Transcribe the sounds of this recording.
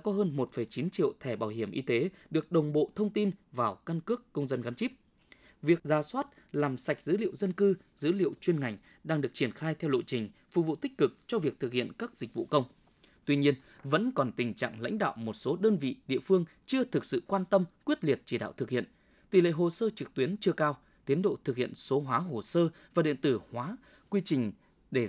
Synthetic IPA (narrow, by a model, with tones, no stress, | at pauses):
kɔ˨˦ɦəː˧nmo˨˩t̚fə˨˩jt͡ɕi˨˦nt͡ɕḭ˧˨ə˨wt̪ʰɛ˧˩ɓaː˨˩wɦi˧˩əmʔi˧t̪e˨˦ɗɨ˨˩ək̚ɗə˨˩wŋ͡mɓo̰˧˨t̪ʰə˧wŋ͡mt̪i˧nvaː˨˩wka˧nkɨ˦˥əkːə˧wŋ͡mzə˧nɣa˨˦nt͡ɕi˦˥p̚ | vi˨˩ək̚zaː˨˦swaː˦˥t̚ | laː˨˩msa˨˩k̚zɨ̰˧˥lḭ˧˨ə˨wzə˧nkɨ˧ | zɨ̰˧˥lḭ˧˨əwt͡ɕwi˧ənŋa˨˩jŋ̟ | ɗaː˧ŋɗɨ˨˩ək̚t͡ɕi˧˩ənxaː˧jt̪ʰɛ˧wɗo̰˧˨t͡ɕï˨˩ŋ̟fṵ˨˩vṵ˧˨t̪ï˦˥k̟̚kɨ˨˩k̚t͡ɕɔ˧vi˨˩ək̚t̪ʰɨ˨˩k̚hḭ˧˨ənkaː˦˥k̚zi˨˩k̟̚vṵ˧˨kə˧wŋ͡m | t̪wi˧ɲi˧ən | və̰˧˥nkɔ˨˩nt̪ï˨˩ŋ̟t͡ɕa̰ː˧˨ŋla̰˧˥jŋ̟ɗa̰ː˧˨wmo˨˩t̚so˨˦ɗəː˧nvḭ˧˨ɗḭ˧˨əfɨ˧əŋt͡ɕɨ˧ət̪ʰɨ˨˩k̚sɨ̰˧˨kwaː˧nt̪ə˧mkwi˦˥ət̚li˨˩ət̚t͡ɕi˧˩ɗa̰ː˧˨wt̪ʰɨ˨˩k̚hḭ˧˨ən | t̪i˨˩lḛ˧˨ɦo˨˩səː˧t͡ɕɨ˨˩k̚t̪wi˨˦ənt͡ɕɨ˧əkaː˧w | t̪i˨˦ənɗo̰˧˨t̪ʰɨ˨˩k̚hḭ˧˨ənso˨˦ɦwaː˨˦ɦo˨˩səː˧vaː˨˩ɗḭ˧˨ənt̪ɨ˧˩hwaː˨˦ | kwi˧t͡ɕï˨˩ŋ̟ | ɗe˧˩